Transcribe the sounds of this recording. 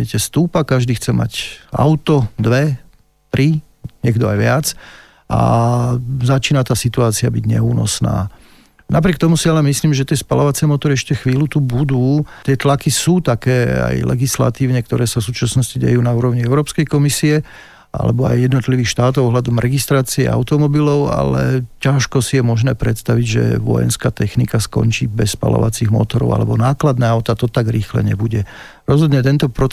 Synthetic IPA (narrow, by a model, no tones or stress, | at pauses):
ɛcɛst̪uːpakaʒd̪iːxt͡sɛma̰ca̰ʊt̪ɔd̪ʋɛ | t̪ɾi | ɲɛɡd̪ɔa̰jʋɪat͡s | ʔa̰ | zat͡ʃiːnat̪aːsit̪uaːt͡siabiɟɲɛ̰uːnɔ̰sna̰ː | nap̬ɾɪɛkt̪ɔmusialɛmisliːmʒɛt̪ɪɛspalɔʋat͡sɛmɔt̪ɔɾiɛʃcɛxʋiːlut̪ubud̪uːt̪ɪɛt̪lakisuːt̪akɛːa̰jlɛ̰ɡisla̰t̪iːʊɲɛk̚t̪ɔɾɛːsafsuːt͡ʃasnɔsciɟɛ̰juːnauːɾɔʊɲiɛʊɾɔːpskɛjkɔmisiɛ | ʔa̰lɛ̰bɔa̰jːɛd̪nɔt̪liʋiːxʃt̪aːt̪ɔʊɔɦlad̪ɔmɾɛɡist̪ɾaːt͡siɛ̰a̰ʊt̪ɔmɔbilɔʊa̰lɛ̰caʃkɔsijɛmɔʒnɛːpɾɛt̪st̪aʋiɟʒɛ̰ʋɔ̰jɛ̰nskaːt̪ɛxnikaskɔ̰nt͡ʃḭːbɛsːpa̰lɔ̰ʋa̰t͡siɣmɔ̰t̪ɔɾɔ̰ʊa̰lɛ̰bɔnaːklad̪nɛːaʊt̪at̪ɔt̪aɡɾiːxlɛ̰ɲɛ̰buɟɛ | ɾɔzɦɔd̪ɲɛt̪ɛnt̪ɔpɾɔ